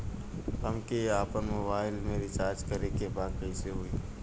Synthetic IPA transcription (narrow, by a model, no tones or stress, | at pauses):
ɦəmkeaːpənmoːbaːɪlmẽɾɪt͡ʃaːɾd͡ʒkəɾekebaːkəɪseɦʊiː